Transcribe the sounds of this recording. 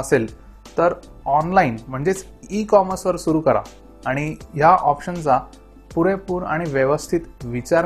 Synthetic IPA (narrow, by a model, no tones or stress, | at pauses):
əsel | t̪əɾ | ɔnlainm̤əɳd͡zet͡s | ikɔməɾsʋəɾsuɾuːkəɾa̰ː | ɽ̃ijaʔɔpɕənt͡sa | puɾẽpuːɾa̰ɽ̃iʋjeʋəst̪ʰit̪ʋit͡ɕaɾ